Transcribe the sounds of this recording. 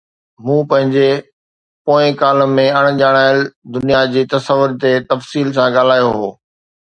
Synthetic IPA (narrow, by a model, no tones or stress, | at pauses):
mũːpɐ̃ɦɪ̃ɲd͡ʑe | poːɪ̃kaːlə̆mẽɐɽ̃ʄaːɽ̃aːɪld̪ʊnijad͡ʑiːt̪ɐsəʋːʊɾt̪et̪ɐfsiːlsãɠaːl̤aːjoɦoː